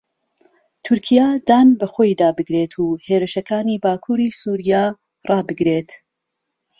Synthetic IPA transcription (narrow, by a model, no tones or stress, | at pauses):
t̪ʰʊɾkʰijad̪aːnbɐxoːjd̪aːbɨɡɾeːt̪ʰuːheːɾɨʃɐkaːniːbaːkʰuːɾiːsuːɾijaː | rˤɑːbɨɡɾeːt̪